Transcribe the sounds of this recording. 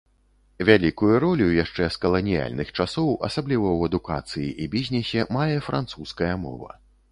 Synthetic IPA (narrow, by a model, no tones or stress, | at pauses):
vʲalʲikujuɾɔlʲujaʂt͡ʂɛskɐlˠɐnʲija̰lʲnɨxt͡ʂasɔwʔɐ̰sablʲivɐwɛd̪uka̰t̪sɨjiʔibʲizʲnʲɛsʲɛmajɛfɾʔa̰nt̪suskɐjɐmɔ̰vɐ̰